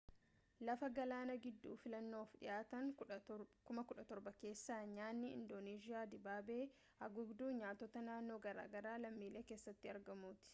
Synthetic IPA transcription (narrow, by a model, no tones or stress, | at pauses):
lɐfɐɡɐlaːnɐɡɪd̪ːṵːfɪlɐnːo̞ːfᶑɪ̰jʔaːt̪ɐŋ | kʊmɐkʊᶑɐt̪ɔɾbɐke̞ːsːaːɲaːnːɪɪ̰nd̪oːneːd͡ʒɪjaːd̪ɪbaːbe̞ː | ɐɡʊbd̪uːɲaːt̪ːɔt̪ɐnaːnːo̞ːɡɐɾa̰ːɡɐɾaːlɐmːiːle̞ːke̞ːsːɐt̪ːɪɐɾɡɐmuːt̪ɪ̥